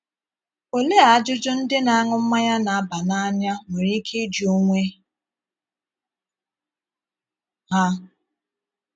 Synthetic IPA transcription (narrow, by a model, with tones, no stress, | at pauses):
o˨le˦a˨a˦d͡ʒʊ˦d͡ʒʊ˦n̩˦dɪ˦na˨a˦ŋʊ˦m̩˦ma˦ɲa˦na˨a˦ba˨na˦a˦ɲa˦me˨ɾi˦kʰe˦d͡ʒo˦ŋʷe˦ | ɦa˦